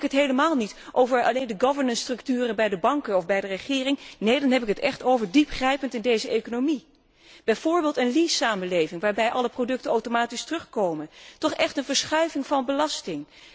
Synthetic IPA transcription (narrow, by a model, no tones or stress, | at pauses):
kɦətɦejləmaːlˠnitʔowvəɹɑ̰lejndəɡɑvəɹnənstrɵk̚tyːrəbɛjdəbɑŋkəɔfbɛjdərəχɪːrɪŋnejdɑnɦɛpɪkɦətɛχtowvəɹdipχrɛjpəntɪndejzəejkonowmi | b̥ɛjv̥ʊːɹbeːlˠtənlisaːmənlejvɪŋʋaːɹbɛjʔɑləprodɵk̚tənowtomaːtistrɵχkowməntɔχɛχtənvəɹsχœɥvɪŋvɑnbəlɑstɪŋ